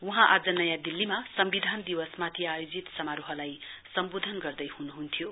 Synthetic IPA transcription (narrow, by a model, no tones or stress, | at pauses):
uɦãʔad͡zʌnʌjãd̪ilːimasʌmbid̪ʱand̪iwʌsmat̪ʰiajod͡zit̪sʌmaɾuɦʌlajsʌmbod̪ʱʌnɡʌrd̪ʌjhunuɦunt̪ʰjo